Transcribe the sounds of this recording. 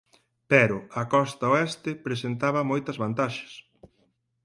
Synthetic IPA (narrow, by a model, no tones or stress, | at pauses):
pɛɾʊɐkɔst̪ɐoɛst̪ɪpɾesent̪aβɐmojt̪ɐzβant̪aʃɐ̥s